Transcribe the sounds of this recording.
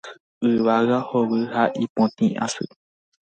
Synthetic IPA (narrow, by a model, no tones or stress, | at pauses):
ɨʋaɣahowɨhaʔipõt̪ĩʔã̰sɨ̰